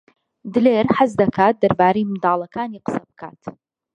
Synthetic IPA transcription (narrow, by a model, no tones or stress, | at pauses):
d̪ɨleːɾħazd̪ɐkʰaːt̪̚d̪ɐɾbaːɾɐjmɨd̪aːlˠɐkaːniqə̥sɐbɨkʰa̰ːt̪